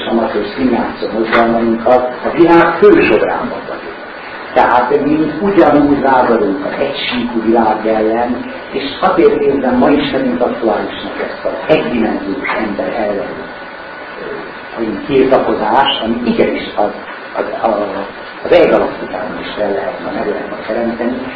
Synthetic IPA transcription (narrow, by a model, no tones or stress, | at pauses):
ʃɒnɒt̪esinːaːt̪siomo̞zɡɒlmɒiŋkʰɒːvilaːɡføːʃo̞bra̰ːmbɒ̰vɒ̰dṵk | t̪ɛɦaːt̪miuɟɒnuːɟʋaːzɒɾuŋkɒzɛcʃiːkuvilaːɡjɛlːɛn | eːʃɒzeːrt̪neːzbɛmːɒiʃt̪ɛniŋt̪ɒkt̪uaːliʃnɒklɛsɒzɛɟd̪imɛnzijo̰ːʃɛmbɛɾɛlːɛnø̰ː | nt̪irt̪ɒko̞zaːʃɒmiiɡɛniʃɒz | zɒː | zɛɡɒlɒst̪ik̪a̰ːbɒniʃfɛlːɛɦɛt̪nɛ̰mɛɡlɛɦɛt̪mɛkt̪ɛɾɛmt̪ɛni